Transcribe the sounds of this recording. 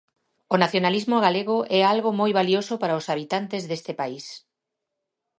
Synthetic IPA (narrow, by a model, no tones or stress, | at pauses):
onaθjonalizmoɣ̞aleɣʊʔɛalɣomojβaliosopaɾaosaβit̪ant̪ezðest̪epais